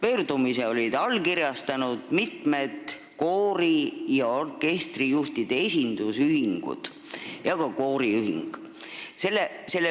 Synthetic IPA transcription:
pøːrd̪̥umiseo̞lʲid̪̥ɑlkiɾjɑst̪ɑnud̪̥mit̪me̞d̪ | ko̞ːɾijɑorke̞st̪rijuht̪id̪̥e̞esʲind̪usyɦiŋɡ̥ṵd̪̥ | jɑɡɑko̞ːɾiyɦḭŋɡ̥ | se̞lːese̞lːe

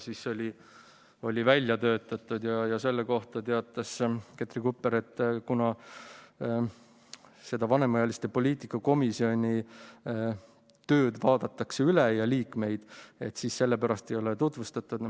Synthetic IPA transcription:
siso̞lʲi | o̞lʲivælʲjɑt̪ø̞ːt̪ːˑɑt̪ːˑud̪̥jɑjɑse̞lːeko̞ht̪ɑt̪e̞ɑt̪ːˑɑsket̪ɾikupːˑeɾe̞t̪ˑːkunɑ | se̞d̪̥ɑvɑne̞mɑjɑlist̪e̞po̞lʲiːt̪ikːˑɑko̞misio̞nʲi | t̪ø̞ːd̪vɑːd̪ɑt̪ːˑɑkseylejɑliːkme̞jd̪̥e̞t̪ːsiːsse̞lːepæɾɑst̪e̞jo̞let̪ut̪ˑvust̪ɑt̪ːud̪̥

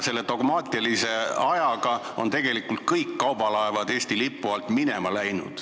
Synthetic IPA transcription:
se̞lːe̞d̪o̞ɡmɑːt̪ʲˑiɑlise̞ɑjɑɡ̥ɑ | o̞nt̪e̞ɡe̞likult̪̚kɤjkːɑwbɑlɑevɑd̪e̞ːst̪ilipːˑuɑlt̪minemɑlæjnṵd̪̥

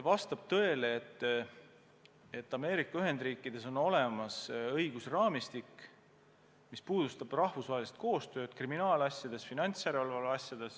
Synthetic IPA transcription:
evɑst̪ɑb̥̚t̪ɤ̞e̞leet̪ːˑ | e̞t̪ːˑɑme̞ːɾikːˑɑyɦe̞nd̪̥riːkːˑid̪̥e̞so̞no̞le̞mɑsɤ̞jɡ̥usrɑːmist̪ikː | mispuːd̪ust̪ɑb̥rɑhvusvɑɦe̞list̪̚ko̞ːst̪ø̞ːd̪̥kriminɑːlɑsʲjɑd̪̥e̞sfinɑnʲt̪sjæɾeolvɑlɑsʲjɑd̪̥e̞s

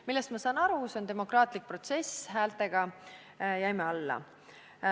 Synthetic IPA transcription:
milːest̪mɑsɑːnɑɾuso̞nd̪e̞mo̞krɑːt̪ˑlik̚pro̞t̪se̞sɦæːlt̪ˑe̞ɡ̥ɑ | jæjmeɑlːɑ̰

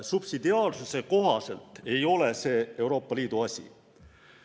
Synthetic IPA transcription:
sub̥sid̪iɑːlsuse̞ko̞ɦɑse̞lt̪ˑe̞jo̞le̞se̞ːe̞wɾo̞ːpːɑliːd̪̥uɑsʲḭ

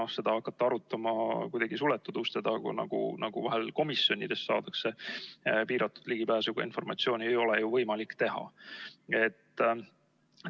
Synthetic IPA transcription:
ohse̞d̪̥ɑɑkːˑɑt̪ːɑɑɾut̪ːˑɑmɑkujd̥̪ɑɡ̥isulɛt̪ːˑud̪ust̪ed̪̥ɑkṵnɑ̰ɡ̥ṵnɑɡ̥uvɑɦelko̞misjo̞nʲḭd̪̥e̞ssɑ̰ːd̪̥ɑkse̞ | piːɾɑt̪ːˑud̪̥liɡ̥ibæːsuɡ̥ɑ̰ḭnfo̞rmɑt̪sio̞ːniejo̞lejuvɤjmɑlikt̪e̞ɦɑ̰ | e̞t̪ːˑ

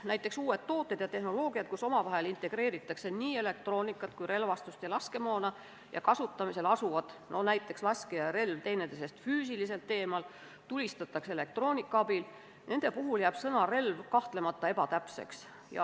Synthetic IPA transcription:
næjt̪ːˑe̞ksuːe̞t̪t̪ːo̞ːt̪ːˑed̪̥jɑt̪e̞hno̞lo̞ːɡ̥ijɑt̪̚kuso̞mɑvɑɦe̞lint̪ˑe̞ɡ̥ɾe̞ːɾit̪ːˑɑkse̞niːe̞le̞k̚t̪ro̞ːnikːˑɑt̪kujɾe̞lvɑst̪ust̪jɑlɑske̞mɑːnɑ | jɑ̰kɑsut̪ˑːɑmise̞lɑsuvɑd̪̥nʔo̞næjt̪ːˑe̞kslɑskejɑɾe̞lvt̪e̞jned̪̥ese̞st̪fyːsilise̞lt̪ːe̞ːmɑl | t̪ulʲist̪ɑt̪ːˑɑkse̞le̞k̚t̪ro̞ːnʲikːˑɑɑbil | ne̞nd̪̥e̞puɦuljæːb̥sɤnɑre̞lvkɑht̪le̞mɑt̪ːˑɑe̞pɑt̪æpse̞̰ks | jɑ̰

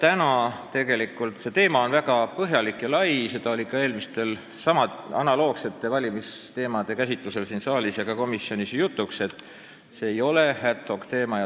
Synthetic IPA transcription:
t̪ænɑt̪e̞ɡe̞likult̪se̞t̪e̞ːmɑo̞nvæɡɑpɤɦjɑlikˑjɑlɑjse̞d̪̥ɑo̞lʲikɑe̞ːlmist̪e̞l | sɑmɑɑ̰nɑlo̞ːkse̞t̪ːˑe̞vɑlʲimist̪e̞ːmɑd̪̥e̞kæsʲit̪luse̞lsinsɑːlʲisjɑkɑko̞misːio̞nʲisjut̪ˑːukse̞t̪ːˑ | seːjo̞le̞hæt̪ho̞kt̪e̞ːmɑj

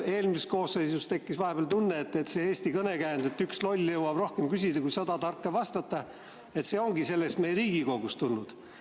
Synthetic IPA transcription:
e̞ːlmiseko̞ːsːesust̪e̞kːisvɑɦe̞beɑlt̪unːeːt̪ːet̪se̞eːsʲt̪ikɤne̞kæːnd̪̥et̪ːykslo̞lʲːjɤwɑb̥ro̞hke̞mkysʲid̪ɑkujsɑd̪ɑt̪ɑrkːˑevɑst̪ɑt̪ːˑɑ | e̞t̪se̞ːo̞ŋɡise̞lːest̪me̞jeɾiːɡ̥iko̞ɡ̥ust̪ulnud̪̥

